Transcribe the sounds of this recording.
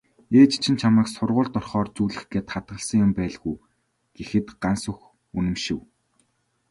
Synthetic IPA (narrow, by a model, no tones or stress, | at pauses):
eːt͡ɕt͡ɕʰĭnt͡ɕʰamaːksʊrʁʊːɮt̪ɔrχɔːrt͡suːɮɘ̆xɡeːt̪χat̪̚ɢə̆ɮsə̆ŋjʊmpæːɮɣuj | ɡ̥exɘ̆t̪ɢansʊ̆x | unɘ̆mʃɪ̆w